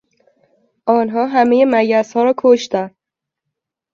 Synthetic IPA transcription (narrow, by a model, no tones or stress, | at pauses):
ʔɒːnɦɒːɦæmejemæɟæshɒːɾɒːkʰoʃt̪æn